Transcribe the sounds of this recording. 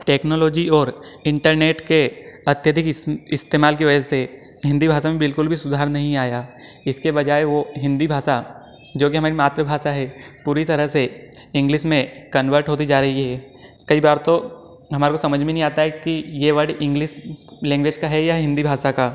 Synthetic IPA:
ʈeːknoːlɔːd͡ʒiɔːɾɪ̃ɳʈəɾneːʈkeɐt̪jəd̪ʱɪkɪst̪eːmaːlk̬iʋɐd͡ʒəse | ɦɪ̃nd̪ibʱaːʃamẽbɪlkʊlbʱisʊd̪ʱaːɾnɐɦĩaːjaɪskebɐd͡ʒaːeʋoɦɪ̃nd̪ibʱaːʃa | d͡ʒoːk̬iɦɐmaːɾimaːt̪ɾəbʱaːʃaɦɛːpuːɾit̪ɐɾəɦseɪ̃ŋɡlɪʃmẽkɐnʋəɾʈɦoːt̪̬id͡ʒaːɾɐɦiɦɛː | kɐibaːɾt̪o | ɦɐmaːɾekosɐməd͡ʒʱmẽnɐɦĩaːt̪aɦɛkijeʋɐɽɪ̃ŋɡlɪʃlɛ̃ːŋɡʋed͡ʒkaɦɛjaɦɪ̃nd̪ibʱaːʃakaː

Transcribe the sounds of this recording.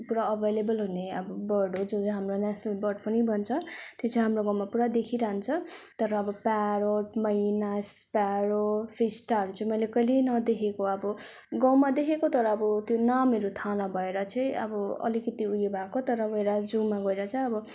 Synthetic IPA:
puɾaʌbʱejlebʌlɦuneʌbʌbʌɖod͡zod͡zɦamronasnʌlbʌɖpʌnibʱʌnt͡sʰʌt̪et͡sʰʌɦamroɡãw̃mapuɾad̪ekʰiɾaɦunt͡sʰʌt̪ʌɾʌːbʌpaɾoʈmʌjnaspaɾopʰisʈaʌɾut͡sʌĩmʌjlekʌjlenʌd̪ekʰekoʌbʌ | ɡʌ̃wmad̪ekʰekot̪ʌɾʌːbʌt̪jonameɾut̪ʰanʌbʱʌeɾʌt͡sʰʌj̃ʌ̰bʌʌ̰likʌt̪iujebʱakot̪ʌɾʌbʌeɾad͡zumːaɡʌeɾʌt͡sʌj̃ʌbʌ

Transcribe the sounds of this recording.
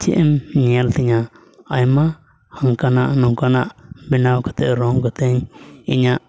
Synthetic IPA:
t͡ʃḭʔɛmɲialt̪iɲaː | jma | haŋkanaʔnɔŋkanaʔbinawkḁt̪ɛʔɾɔŋɡɔt̪ɛŋiɲaʔ

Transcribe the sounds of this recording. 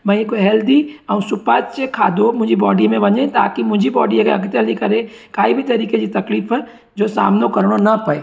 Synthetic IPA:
mɐ̃koɦɛːld̪iɐũsʊpaːt͡ʃt͡ʃekʰa̰ːd̪omʊd͡ʒʱibɔːɖimẽbɐd͡ʒẽt̪a̰ːkimʊd͡ʒʱibɔːɖiɐɡɛ̰ɐɡt̪ɛlikɐɾẽ | kaːibʱit̪ɐɾiːkesit̪ɐkliːfɛ | d͡ʒoːsa̰ːmnokɐɾɽ̃onɐpɐeː

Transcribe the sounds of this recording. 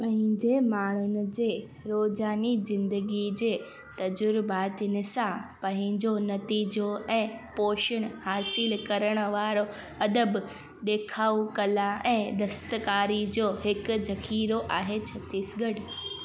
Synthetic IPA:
pɐ̃ɦɪ̃ɲd͡ʑeːmaːɳ̤ʊnɪ̆d͡ʑeː | ɾoːzaːnizɪ̃nd̪əɡid͡ʑeː | t̪ɐd͡ʑʊɾbaːt̪ɪnɪ̆sãpɐ̃ɦɪ̃ɲd͡ʑonɐt̪iːd͡ʑoɛ̃ːpoːʃəɽ̃haːsɪlkɐɾəɽ̃ə̆ʋaːɾo | ɐd̪əb | ɗ̪eːkʰaːukɐlãʔɛ̃ːd̪ɐst̪kaːɾid͡ʑoːɦɪkʊzɐxʰiːɾoʔaːɦet͡ɕʰɐt̪iːsɡəɽ

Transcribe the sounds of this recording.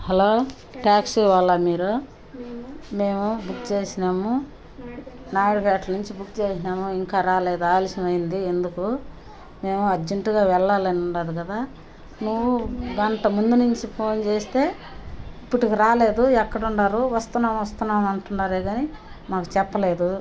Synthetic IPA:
hɐloː | ʈaːksiʋalːamiːɾu | me̞ːmubukt͡ʃe̞ːsinaːmu | naːɽipɛːʈlɐnuɲt͡ʃibukt͡ʃe̞ːsinaːmuiŋkaːɾaːle̞ːd̪uaːlisɐmɐjind̪ie̞nd̪uku | me̞ːmuɐd͡ʒeɳʈuɡaːʋɛɭːaːlɐniuɳɖaːd̪uɡɐd̪aː | nuʋuɡɐɳʈɐmund̪unuɲt͡ʃipʰo̞ːnt͡ʃe̞ːst̪e̞ː | ipːuʈikiɾaːle̞ːd̪uɛkːɐɽuɳɖaːɾuʋɐst̪unːaːmʋɐst̪unːaːmɐɳʈuɳːaːɾeːɡaːni | maːku̥t͡ʃɛpːɐle̞ːd̪u

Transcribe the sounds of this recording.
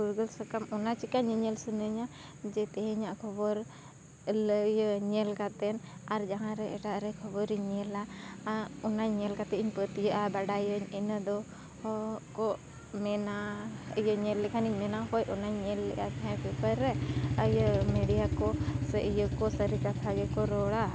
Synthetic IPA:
uɾɡəlsəkamɔnat͡ʃikaɲəɲəlsunəɲa | d͡ʒɛt̪ɛɦɛ̃ɲaʔkʰɔbɔɾ | ləjəɲɛlkat̪ɛnaɾd͡ʒaɦãɾɛɛʈaʔɾɛkʰɔbɔɾiɲɛla | ɔnaɲɛlkat̪ɛʔiɲpət̪ijəʔabaɽajəɲinəd̪ɔ | hkɔʔ | mɛnajəɲɛlːɛkʰaniɲmɛnahɔjɔnaɲɲɛlːɛ̰ʔa̰t̪ʰɛ̃pɛpəɾːɛəjəmɛɖijakɔsɛʔijəkɔsəɾikat̪ʰaɡɛkɔɾɔɽa

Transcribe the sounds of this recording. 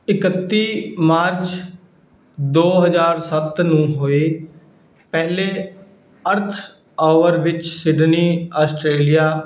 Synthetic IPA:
ɪkət̪ːiːmaːɾt͡ʃ | d̪oːɦəzaːɾsət̪nũːɦoːeː | pɛːleː | əɾt̪ʰ | ɔːʋəɾʋɪt͡ʃsɪɖniːaːsʈɾeːlijaː

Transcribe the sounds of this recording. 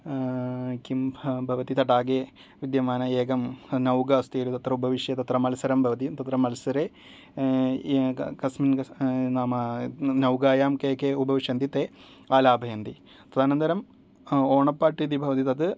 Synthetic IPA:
kimbʱɐʋɐt̪it̪ɐʈaːɡe | ʋid̪jɐmaːnɐeːɡɐmnɐwɡɐst̪iːɾut̪ɐt̪rɐubɐʋiʂjɐt̪ɐt̪rɐmɐlɐsɐɾɐmbʱɐʋɐt̪̬it̪ɐt̪rɐmːɐlɐsɐɾe | kɐsminɐnaːmɐnɐwɡaːjaːmkeːkeubɐʋiʂjɐnd̪it̪ːe | aːlaːbʱɐjɐnd̪i | pɾɐd̪ʱaːnɐnd̪ɐɾɐm | oːɳɐpːaːʈːid̪ibʱɐʋɐt̪it̪ɐd̪ɨ

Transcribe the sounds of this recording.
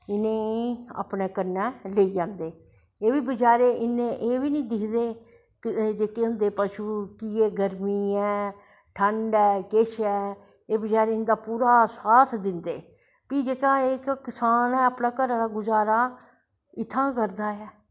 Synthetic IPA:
ɪnẽːa̰pneːkəɾnːɛːleiːd͡ʒãːnd̪eː | eːbiːbəd͡ʒaːɾeːʔɪnẽːʔeːʋiːnĩːd̪ɪkʰd̪eː | d͡ʒeːkeːɦʊ̃nd̪eːpəʃuːkieːɡəɾmiːɛː | ʈʰəɳɖɛːkɪʃʰɛː | eːbəd͡ʒaːɾeːɪnd̪aːpuːɾaːsaːt̪ʰd̪ɪnd̪eː | piːd͡ʒeːkaːeːkkɪsaːnɛːəːpnãːkəɾãːd̪aːɡʊzaːɾaː | ɪt̪ʰːãːkəɾd̪aːɛː

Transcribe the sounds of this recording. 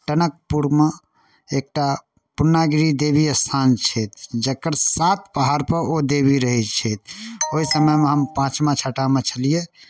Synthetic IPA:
ʈənək̚puɾme | ek̚ʈa | punːaɡɾid̪ebiəst̪ʰant͡ʃʰɛt̪̚ʰd͡ʒəkːəɾsat̪pəɦaɾpəɾod̪ebiɾəɦit͡ʃʰɛt̪̚ʰoɦisəməjmeɦəmpãt͡ʃmat͡ʃʰaʈamet͡ʃʰəlije

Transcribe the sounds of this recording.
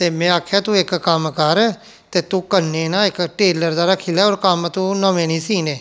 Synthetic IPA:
t̪eːmɛ̃ːaːkʰjaːt̪ũːɪkkəmkəɾ | t̪eːt̪ũːkənːeːnãːɪkʈeːləɾd̪aːɾakʰiːlaːoːɾkəmt̪ũːnəʋẽːnĩːsiːneː

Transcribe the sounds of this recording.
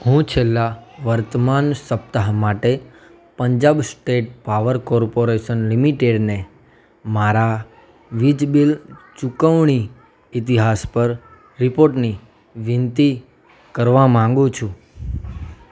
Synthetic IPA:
ɦũt͡ʃʰelːaʋəɾt̪əmansəp̚t̪aɦmaʈe | pəɲd͡ʒabsʈeʈ̚paʋəɾkɔɾpoɾeʃənlimiʈeɖne | maɾa | ʋid͡ʒbilt͡ʃukəʋɳ̃i | it̪̬iɦaspəɾ | ɾipoɾʈni | ʋint̪i | kəɾʋamãŋɡũt͡ʃʰũ

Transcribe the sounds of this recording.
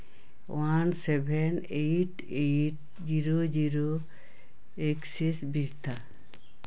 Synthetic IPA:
wansɛbʱɛn | ejʈ | eʈ | d͡ʒiɾod͡ʒiɾo | eksisbiɾt̪ʰa

